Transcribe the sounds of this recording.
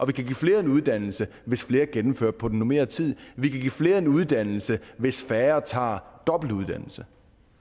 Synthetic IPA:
ʔɒ̽ʋikʰæɡ̥ḭːfle̝ːɐe̝nuð̞ˠd̥æn̰l̩səʋe̝sfle̝ːɐɡ̥enm̩fø̰ɐ̥pʰɒ̽d̥n̩ːome̝̰ːɐt͡sʰið̞̰ˠʋikʰæɡ̥ḭːfle̝ːɐe̝nuð̞ˠd̥æn̰l̩səʋe̝sfæːɐt͡sʰɑ̰̈ːd̥ɒ̽b̥l̩d̥uð̞ˠd̥ænl̩sə

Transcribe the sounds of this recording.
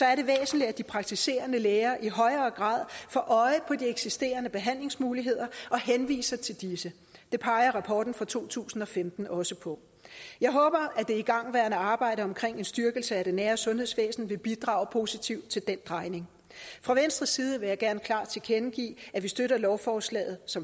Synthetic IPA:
sɒ̽æɐɾe̝ʋḛːsn̩li̥æd̥ipʰʁɑ̈ɡ̥̚t͡sʰise̝̰ːɐnəleːɐːʔiɦɒ̽ɪɐːɡ̥ʁɑ̰̈ːð̰ˠfɒ̽ʔɒ̽ɪəpʰɒ̽d̥ieɡ̥sisd̥e̝̰ːɐnəb̥e̝ɦæn̰le̝ŋsmuːliɦe̝ð̰ˠɐʔɒ̽ɦenʋḭːsɐt͡sʰe̝ld̥isə | d̥e̝pʰɑ̈ɪɐʁɑ̈pʰɒːd̥n̩fʁɑ̈t͡sʰu̝̰ːt͡sʰṵːsn̩ɒ̽femd̥n̩ɒ̽səpʰɒ̽ | jɑ̈ɪɦɔ̽ːb̥ɐæd̥e̝iɡ̥ɑ̈ŋ̰ʋæɐnæɑ̈ːb̥ɑ̈ɪ̰ɾəɒ̽mkʰʁeŋ̰e̝nsd̥ɶɐɡ̥l̩səæɾ̥enːæːɐsɔ̽nhe̝ð̰ˠsʋḛːsn̩ʋe̝b̥id̥ʁɑ̈ːʊpʰo̝ːsit͡sʰiʊ̰d̥̚t͡sʰe̝ld̥end̥ʁɑ̈ɪne̝ŋ | fʁɑ̈ʋensd̥ʁisːiːð̞ˠəʋe̝jɑ̈ɪɡ̥æɐnəkʰlɑ̈ːd̥t͡sʰe̝kʰenɡ̥ḭːæʋisd̥øɾɐlɒʊfɒːslɛ̰ːð̩ˠsɒ̽m

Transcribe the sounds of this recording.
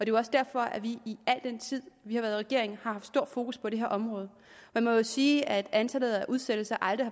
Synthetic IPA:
ɒd̥e̝ɒ̽sd̥æɐ̰fɒ̽ʔæʋiiæl̰d̥en̰t͡sʰið̞̰ˠʋihɑʋæːɐðˠʁɛɡ̥e̝ɐe̝ŋhɑ̈hɑfd̥sd̥o̝ɐ̰̥fo̝ːkuspʰɒd̥ɾe̝ɦeɐ̰ɒ̽mʁɔ̽ːðˠ | mænmɒjo̝siːæd̥ænsʰæd̥ð̩ˠæʔuðˠsed̥əsɑʔɑ̈ld̥ʁihɑ̈

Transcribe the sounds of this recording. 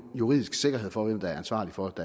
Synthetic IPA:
juʁḭð̰ˠisɡ̥se̝ɡ̥ɐɦe̝ð̰ˠfɒ̽ʋemd̥ɑ̈æɐænsʋɑ̰̈ːlifɒ̽d̥æ

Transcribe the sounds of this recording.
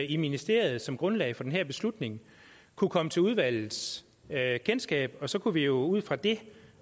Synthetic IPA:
iminisd̥e̝ɐ̰jð̞̩ˠsɒ̽mɡ̥ʁɔ̽nlɛ̰ɪfɒ̽d̥enɦæɐ̰b̥e̝slud̥ne̝ŋ | kʰukʰɒ̽mət͡sʰe̝luðˠʋæl̰ð̩ˠs | kʰensɡ̥ɛ̰ːb̥ɒ̽sɒ̽kʰuʋijo̝uð̞̰ˠfʁɑ̈d̥e̝

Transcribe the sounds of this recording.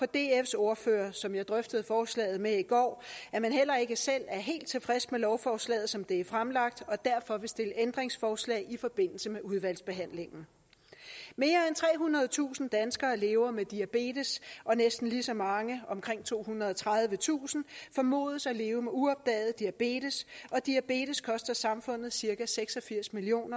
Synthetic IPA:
pʰɒ̽d̥e̝efso̝ɐføːɐsɒ̽mjɑ̈ɪd̥ʁœfd̥əð̩ˠfɒːslɛ̰ːɪð̞̩ˠmeiɡ̥ɒ̰ːæɐmænɦel̰ɐe̝ɡ̥əsel̰æɐɦe̝̰ːld̥̚t͡sʰe̝fʁasmelɒʊfɒːslɛ̰ːð̞̩ˠsɒ̽md̥e̝æɐfʁamlɑ̈ɡ̥̚d̥ɒ̽d̥æɐfɒ̽ʋe̝sd̥e̝ləʔend̥ʁeŋsfɒːslɛ̰ːɪifɒ̽b̥e̝n̰l̩səmeʔuðˠʋæl̰sb̥e̝ɦæn̰le̝ŋn̩ | me̝ːɐent͡sʰʁɛ̰ːɦunʁɐð̞̩ˠt͡sʰṵːsn̩d̥ænsɡ̥ɐːle̝ːʊɐmed̥iæb̥e̝̰ːdəsɒ̽nesd̥n̩lisɒ̽mɑ̈ŋəɒ̽mkʰʁeŋ̰t͡sʰo̝̰ːhunʁɐð̞ˠɒ̽t͡sʰʁað̞ˠʋət͡sʰṵːsn̩fɒ̽mo̝̰ːð̞ˠəsæle̝ːʊəmeuɒ̽b̥̚d̥ɛ̰ːð̞̩ˠd̥iæb̥e̝̰ːd̥əsʔɒ̽d̥iæb̥e̝̰ːd̥əskʰɒ̽sd̥ɐsɑ̈mfɔ̽n̰ð̞̩ˠsiɐɡ̥æseɡ̥sɒ̽fiɐ̰smilio̝̰ːnɐ

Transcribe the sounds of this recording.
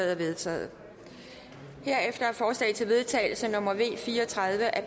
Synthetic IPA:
ð̩ˠɐʋe̝ðˠt͡sʰɛ̰ːð̩ˠ | he̝ɐ̰efd̥ɐæɐfɒːslɛ̰ːt͡sʰe̝lʋe̝ðˠt͡sʰɛ̰ːɪl̩sənɔ̽m̰ɐʋe̝̰ːfiːɐɒt͡sʰʁɑ̈ð̞ˠʋəʔæ

